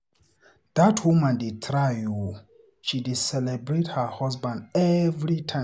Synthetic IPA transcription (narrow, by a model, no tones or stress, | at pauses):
ðatʰwumãndit̪ʰɹaju | ʃidisɛlɛbɹethəhɔsbãndɛvɹitʰã